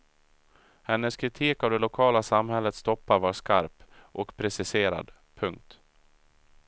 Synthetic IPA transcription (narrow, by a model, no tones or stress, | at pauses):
hɛnːəskʰɾɪt̪ʰiːkavd̪ɛlʊkʰɑːlasamhɛlːət̪st̪ɔpːaɾvɑːʂkaɾpʔɔkpʰɾɛsɪseːɾa̰d̪ | pʰɵŋk̚t̪